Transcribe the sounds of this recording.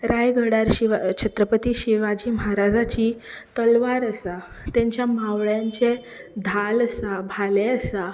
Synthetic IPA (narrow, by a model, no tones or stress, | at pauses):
ɾajɡʱəɽaɾɕiʋat͡ɕʰət̪ɾəpət̪iːɕiʋad͡ʑiːməɦaɾad͡zat͡ɕiːt̪əlʋaɾəsa | t̪ɛ̃ɲt͡ɕjamaʋɭjãɲt͡se | d̪ʱaləsabʱaleəsa